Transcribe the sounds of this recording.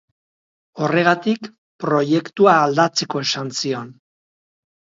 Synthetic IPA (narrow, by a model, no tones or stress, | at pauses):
o̞re̞ɣ̞at̪ik | pɾo̞je̞kt̪uaːld̪at͡se̞ko̞e̞sansio̞n